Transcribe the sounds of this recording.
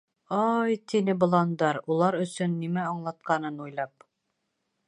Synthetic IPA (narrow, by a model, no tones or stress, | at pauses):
ɑjt̪inɘbŏlˠɑnd̪ɑɾulˠɑɾɵ̆sɵnːimæɑɴlˠɑt̪̚qɑnɤnujlˠɑp̚